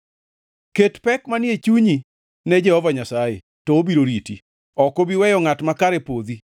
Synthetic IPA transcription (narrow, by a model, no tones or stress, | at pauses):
ketpɛkmanɪet͡ʃuɲi | nɛd͡ʒɛhɔvaɲasajḛ | tɔobiɾoɾiti | ɔkobiwɛjɔŋatmakaɾepod̪i